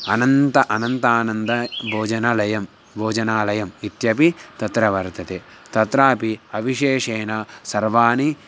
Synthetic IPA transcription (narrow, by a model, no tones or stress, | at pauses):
ɐnɐnt̪ɐʔɐnɐnt̪aːnɐnd̪ɐbʱoːd͡ʒɐnɐlɐjɐm | bʱoːd͡ʒɐnaːlɐjɐmit̪jɐpit̪ɐt̪ɾɐʋɐɾt̪ɐt̪eː | t̪ɐt̪ɾaːpiɐbʱiʃeːʂeːnɐsɐɾʋaːni